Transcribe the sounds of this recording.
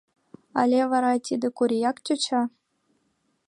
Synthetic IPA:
ɑ̰lʲeʋɑɾɑt̪ʲid̪ɘ̆kuɾʲijɑkt͡ɕʲut͡ɕɑ

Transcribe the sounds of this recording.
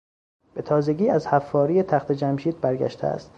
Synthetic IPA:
b̥e̞t̪ʰɒːzeɟiːæzhæfːɒːɾiːet̪ʰæxt̪ʰe̞d͡ʒæmʃiːd̪̚bæɾɡæ̰ʃt̪ʰeæ̰st̪

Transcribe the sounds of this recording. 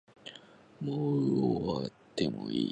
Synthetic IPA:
moːɯoat̪ːemoiː

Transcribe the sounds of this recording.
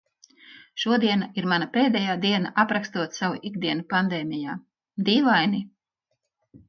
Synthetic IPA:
ʃuɔd̪iɛnaiɾmanapeːd̪ɛjaːd̪iɛnaʔapɾakst̪uɔt̪savuʔiɡd̪iɛnupand̪ɛːmijaː | d̪iːvajni

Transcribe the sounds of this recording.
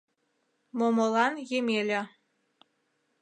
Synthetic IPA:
momolɑnjemelʲĕ

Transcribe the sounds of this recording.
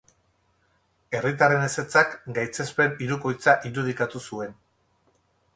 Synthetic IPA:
e̞rit̪̬arene̞se̞t͡sakɡajt͡se̞spe̞niɾuko̞jt͡saʔiɾuð̞ikat̪usue̞n

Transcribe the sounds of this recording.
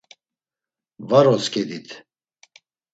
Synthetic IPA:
vaɾɔskʰʼɛd̪it̪ʰ

